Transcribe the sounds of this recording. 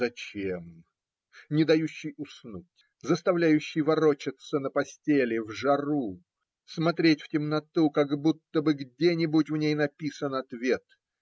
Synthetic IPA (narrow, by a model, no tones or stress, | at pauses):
zɐt͡ɕem | nʲɪd̪ɐjuɕːɪjʊsnutʲ | zəst̪ɐvlʲæjʉɕːɪjvɐɾot͡ɕɪt̪sənəpɐsʲtʲelʲɪvʐɐɾu | smɐt̪ɾʲetʲftʲɪmnɐt̪ukaɡbut̪ːəbɨɡdʲenʲɪbʊtʲvnʲejnɐpʲisənɐt̪vʲe̞t̪